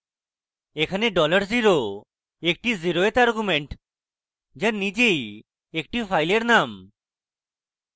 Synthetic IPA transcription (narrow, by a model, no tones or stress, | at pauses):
ekʰaneɖɔləɾziɾo | ek̚ʈiziɾoet̪aɾɡumeɳʈ | d͡ʒanid͡ʒej | ek̚ʈifʰajleɾnam